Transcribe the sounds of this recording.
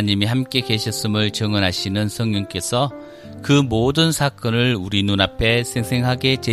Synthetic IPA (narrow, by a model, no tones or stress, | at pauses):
ɲimiɦamk͈e̞ke̞ɕʰʌs͈ɯmɯɭt͡ɕʌŋʌnɦaɕʰinɯnsʰʌŋɲʌŋk͈e̞sʰʌ | kɯmodɯnsʰak͈ʌnɯɭuɾinunapʰe̞sʰeŋsʰeŋɦaɡe̞t͡ɕe